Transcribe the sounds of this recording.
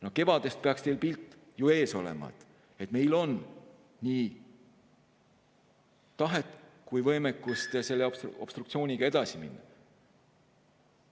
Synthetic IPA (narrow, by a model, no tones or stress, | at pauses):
noke̞vɑd̪̥e̞st̪̚peɑkst̪e̞jlpilt̪ːˑ | jue̞ːso̞lḛmɑ̰ḛt̪ | e̞t̪me̞jlo̞n | niː | t̪ɑɦet̪ːˑkujvɤjmekːˑust̪ɑse̞lːeobsob̥st̪rukt̪sio̞ːnʲiɡ̥ɑe̞d̪̥ɑsimḭnːɑ